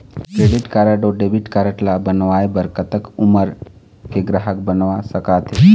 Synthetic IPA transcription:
kɾeːɖɪʈkaɾəʈoɖebiʈkaːɾəʈlabənʋaːjebəɾkət̪əkʊməɾ | keɡɾaɦək̚bənʋasəkaːt̪ʰe

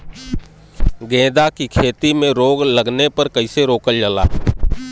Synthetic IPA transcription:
ɡẽːd̪akikʰeːt̪imẽɾoːɡləɡnepəɾkəɪseɾoːkəld͡ʒəla̰ː

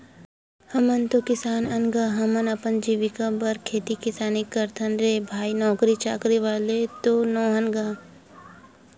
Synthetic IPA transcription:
hɐmənt̪okɪsaːnɐnɡaɦɐmənɐpənd͡ʒiːʋikabɐɾkʰeːt̪ikɪsaːnikɐɾt̪ʰənɾeːbʱaːinɔːkɾit͡ʃaːkɾiʋaːlet̪onoːɦənɡaː

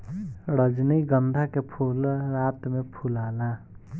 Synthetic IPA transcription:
ɽəd͡ʒniɡənd̪ʱakepʰulɾat̪mepʰulaːla

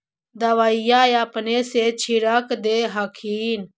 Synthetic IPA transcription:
d̪ɐʋaijaːjapneset͡ʃʰiɾəkd̪eɦɐkʰiːn

